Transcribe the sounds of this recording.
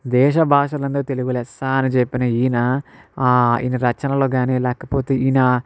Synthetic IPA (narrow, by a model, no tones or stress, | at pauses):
d̪ɛːʃɐbʱaːʂɐlɐnd̪ɐɾut̪eluɡulɛːst̪aːnit͡ʃepːinɐiːnɐ | ḭnɐɾɐt͡ʃɐnɐlo̞ːɡaːniːlɛːkɐpoːt̪eːinɐ